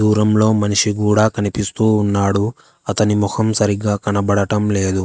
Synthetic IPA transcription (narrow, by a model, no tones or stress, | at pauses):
d̪uːɾɐmlo̞ːmɐniʂiɡuːɽaːkɐnipist̪uːnːaːɽu | ɐt̪ɐnimukʰɐmsɐɾiɡaːkɐnɐbɐɽɐʈɐmle̞ːd̪u